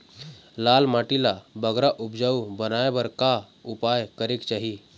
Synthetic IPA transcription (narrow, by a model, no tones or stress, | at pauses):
lalmaʈilabəɡɾaʔʊpd͡ʒaubənaebəɾka | upajkəɾekt͡ʃaːɦi